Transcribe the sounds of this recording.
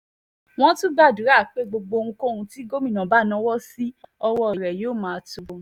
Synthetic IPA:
w̃ɔ̃˦tũ˦ba˦˨du˨˦ɾa˦˨k͡pe˦ɡ͡bo˧ɡ͡bo˧ŋũ˧kõ˦˨˧ũ˧ti˦ɡo˦mĩ˨nã˨ba˦˨nã˨˦wɔ˦si˦ɔ˧wɔ˧˦i˨ɾɛ˨joː˦˨mãː˨˦˨tu˨

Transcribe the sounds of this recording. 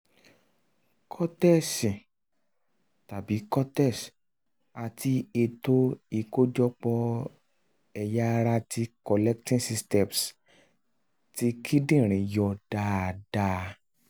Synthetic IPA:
kʰɔ˦tɛ˦˨si˨ | ta˨bi˨˦kɔ˦tɛ˦˨s | a˧ti˧e˧to˦i˧ko˦d͡ʒɔ˦k͡pɔ˧ | ɛ˧ja˦˧ɾa˧ti˧kɔ˧lɛ˦k̚tĩ˦si˧stɛ˨ms | ti˧˦kʰi˦dĩ˦˨ɾ̃ĩ˨jɔ˧d̥a˦˨d̥a˧

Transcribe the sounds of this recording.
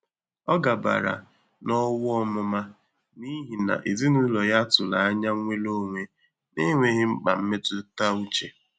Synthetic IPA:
ɔ˦ɡa˨ba̰˨ɾa̰˨ | nɔ˦wɔ˦mʊ˦ma˦ | ni˦ɦi˨na̰˨ʔi˨zi˦nu˦lɔ˨ja˦tʊ˨la˨a˦ɲa˦ŋʷe˦lo˦ŋʷe˦ | ne˦ŋʷe˨ɦɪ˦ŋ͡m̩˦k͡pa̰˨m̩˦me˦tʊ˦ta˦u˦t͡ʃe˨

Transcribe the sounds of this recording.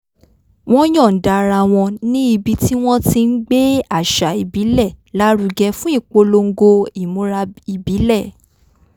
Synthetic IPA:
w̃ɔ̃˦j̃ɔ̃˦˨n̩˨da˨ɾa˧w̃ɔ̃˧nĩ˦i˧bi˧ti˦w̃ɔ̃˦ti˧n̩˦ɡ͡be˦a˦˨ʃa˨i˨bi˨˦lɛ˦˨la˦ɾu˧ɡɛ˧fũ˦i˦˨k͡po˧lo˧ŋ̩˦ɡo˧i˨mũ˨˦ɾa˧i˨bi˨˦lɛ˦˨

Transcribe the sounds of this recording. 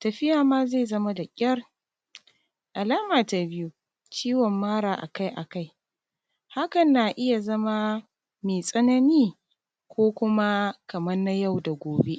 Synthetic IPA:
tɐ˨ɸɪ˦jaː˨maː˦ze˦˨zɐ˦ma˦da˨kʲʼɐ˦r | ʔa˨laː˦maː˨ta˨bɪ˦ju˦ | t͡ʃiː˦wɔ˨mːaː˦ɾaː˨ʔa̰˨ka˦jʔa̰˨ka˦˨j | ha˦kɐ˨nːa˨ʔɪ˦ja˨zɐ˦ma˦ | meː˨sʼɐ˦nɐ˦niː˦ | kʷoː˦kʷʊ˦ma˦kɐ˨mɐ˦rna˦ja˦˨wda˨ɡʷoː˨be˦ʔ

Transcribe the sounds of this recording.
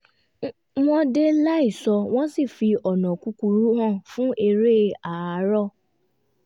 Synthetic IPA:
w̃ɔ̃˦de˦la˦i˦˨sɔ˧w̃ɔ̃˦si˦˨fi˧ɔ˨nɔ̃˨ku˧˦ku˧ɾu˦ɦã˦˨fũ˦ʔe˧ɾe˦a˨˦ɾɔ˦˨

